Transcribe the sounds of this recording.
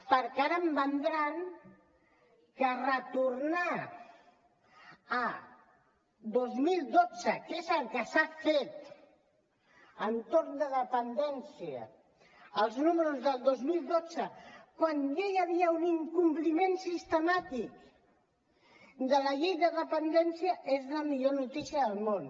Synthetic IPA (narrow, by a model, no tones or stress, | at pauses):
pəɾkaɾəmbənd̪ɾaŋ | kərət̪uɾna | ə | d̪ozmilˠd̪od͡zəkezəlˠkəsafet̪ | ənt̪oɾnd̪əðəpənd̪ɛnsiə̰ː | lˠznuməɾuzðəlˠd̪ozmilˠd̪od͡zəkwanjajəβ̞iəuniŋkumplimensist̪əmat̪ik̚ | d̪ələʎejðəðəpənd̪ɛnsjəʔezləmiʎonut̪isiəðəlˠmon